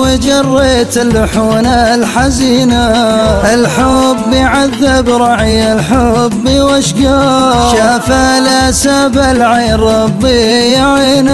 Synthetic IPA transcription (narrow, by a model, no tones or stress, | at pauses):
wɪd͡ʒɑrˤːeːt̪ɪlːʊħuːnalħaziːnaʔɪlħʊbːɪjʕaðːɪbɾˤɑʕjalħʊbːiwaʃɡaʃaːfalasabalʕajɾˤɑbijaʕiːna